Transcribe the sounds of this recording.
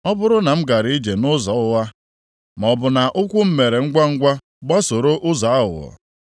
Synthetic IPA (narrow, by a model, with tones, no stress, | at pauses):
ɔ˦bʊ˦ɾʊ˦na˨m̩˦ɡa˨ɾɪ˨˦i˦d͡ʒe˨nʊ˦zɔ˨˦ʊ˦wa˦ | m˨ɔ˨bʊ˨na˨ʔʊ˦kʷʊ˦m̩˦me˨ɾe˨ŋ̩˦ɡʷa˦ŋ̩˦ɡʷa˦ | ɡ͡ba˦so˨ɾo˦ʔʊ˦za˨a˦ɦʊ̰˨ɔ̰˨